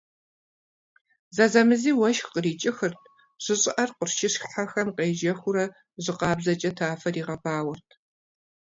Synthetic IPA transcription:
zɐzɐmɨziːwɐʃxqəriːt͡ʃʼɪxɨrtʰ | ɕɪɕʼɪʔɐrqʷʊrʃɪɕxħaxɐmqeːʒɐxʷʊɾɐ | ʒɪqɑːbzɐt͡ʃʼɐtʰaːfɐriːʁɐbʰaːwɐrtʰ

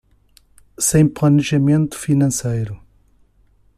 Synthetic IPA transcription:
sẽj̃plˠɐnɨʒɐmẽnt̪u̥finɐ̃sejɾu

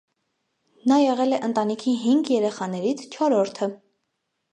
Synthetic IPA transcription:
nɑjɛʁɛlɛʔənt̪ɑnikʰiɦiŋɡjɛɾɛχɑnɛɾit͡sʰt͡ʃʰɔɾɔɾt̪ʰə

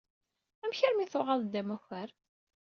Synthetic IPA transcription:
æmçəɾmiθʊʁɑðˤd̪ːæmæçæɾ

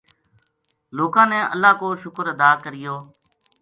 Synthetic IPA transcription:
loːkãːnɛːʔə̰lːaːkoːʃʊkəɾəd̪aːkəɾɪjoː

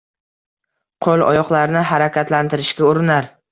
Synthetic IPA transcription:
qʰolˠɒ̰jɒqlˠaɾnɪɦaɾakʲʰat̪lant̪ʰɪɾɪʃkʲaʊɾɪnaɾ

